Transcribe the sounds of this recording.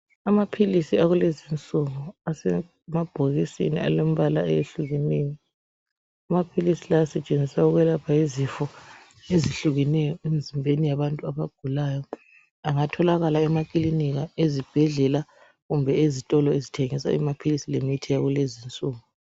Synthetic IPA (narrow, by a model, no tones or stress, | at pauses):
amapʰilisiaɣulezint͡sʼuŋuasɛ | mab̥ʱoɣisḭnḭa̰lom̩βalaɛjeɬuɣɛnɛjɔ | amapʰilisilaasɛt͡ʃʼend͡zʱisauɣwɛlapʰaizifɔ | eziɬuɣɛnɛjɔenzʱimbʱenijaβantʼuaβaɡ̥ʱulaːjɔ | aŋatʰɔlaɣalaɛmakʼiliniɣaezib̥ʱɛɮɛla | ɣumbʱɛezitʼɔlɔezitʰeŋisa̰ḭmapʰilisilemitʰijaɣulezint͡sʼuːŋu